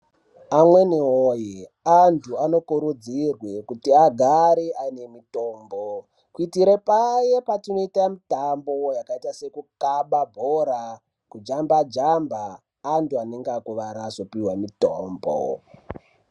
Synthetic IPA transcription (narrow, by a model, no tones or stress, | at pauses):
amwe̞neɦoji | antʰuano̞kuɾud͡zirwekutiaɡʱaɾeʔaine̞mito̞ːmbo | kitiɾepaje̞patino̞itamitambo̞jakaitase̞kukaɓabʱoɾa | kud͡ʒambad͡ʒambaː | ntuaneŋɡakuʋaɾaːzo̞piwamito̰ːmbo̰